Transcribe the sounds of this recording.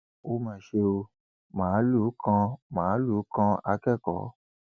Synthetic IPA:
o˧˦mã˨ʃe˧o˧ | mãː˨˦lu˨˦kʰã˧mãː˨˦lu˨˦kã˧a˧˦kɛ˦˨kɔ̰˨˦

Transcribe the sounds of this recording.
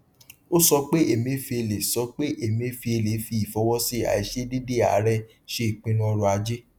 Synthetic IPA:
o˦sɔ˧k͡pe˦e˦˨mĩ˧˦fi˧e˧˨le˨sɔ˧˦k͡pe˦ʔe˨mĩ˧˦fi˧e˧le˨˦fi˧˦i˨fɔ˧˦wɔ˦si˦a̰˨i˨˧ʃe˦de˦de˦˨a̰˨˦ɾɛ˦ | ʃe˦i˨k͡pĩ˨˦nũ˦ɔ˧ɾɔ˧a˧d͡ʒe˦

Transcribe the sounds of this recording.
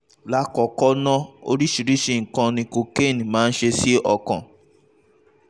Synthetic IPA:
la˦kɔ˨kɔ˦nɔ̃˦o̰˧ɾi˦ʃi˨ɾi˦ʃe˧˨ŋ̩˨kã˧nĩ˧ko˧ke˦˨nĩ˨mãː˨˦n̩˦ʃe˧si˦ɔ˧kã̰˨

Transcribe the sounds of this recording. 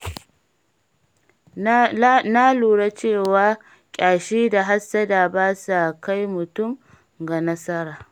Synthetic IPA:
na˦luː˨ɽa˦t͡ʃeː˦˨waː˦ | kʲʼaː˨ʃiː˦da˨ɦa˦sːɐ˦da˨baː˦sa˨ka˦jmʊ˨tʊ˦˨m | ɡa˨nɐ˦sɐ˦ɾaː˨

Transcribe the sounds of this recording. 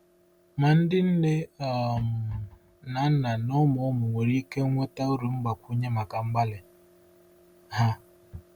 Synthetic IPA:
ma˨n̩˦dɪ˦n̩˦ne˦a˨m̩˨ | na˨n̩˦na˨nɔ˦mɔ˨˦ɔ˦mʊ˨ŋʷe˨ɾi˦ke˦ŋʷe˦ta˦u˦ɾu˨ŋ͡m̩˦ɡ͡ba˨kʷu˦ɲe˦ma˨ka˨ŋ͡m̩˦ɡ͡ba˦lɪ˨ | ha˦

